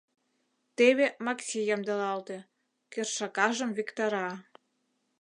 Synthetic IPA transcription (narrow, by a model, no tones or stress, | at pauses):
t̪eβemɑksʲijɑmd̪elɑlt̪e | kerʃɑkɑʒə̆mvikt̪ɑɾɑ